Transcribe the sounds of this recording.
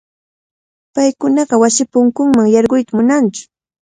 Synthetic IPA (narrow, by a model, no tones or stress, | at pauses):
pajkʊnɑɢɑwasɪpʊŋkʊŋmaŋjɑɾɢʊjt̪amʊnant͡ʃʊ̥